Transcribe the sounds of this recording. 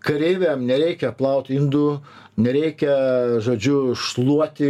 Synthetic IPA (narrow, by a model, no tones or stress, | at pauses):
kɐɾʲeɪʋʲɛːmnʲɛɾʲɛɪkʲɛplˠɐʊt̪ʲɪnd̪uː | nʲɛɾʲɛɪkʲɛʒoːd͡ʒʲʊʃlˠuɔt̪ʲɪ